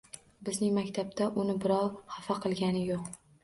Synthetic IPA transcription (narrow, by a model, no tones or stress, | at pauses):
bɪznɪŋmakʲt̪ʰabt̪ʰaʔʊnɪbɪɾɒwhafaqʰɨlˠɡʲanɪjoq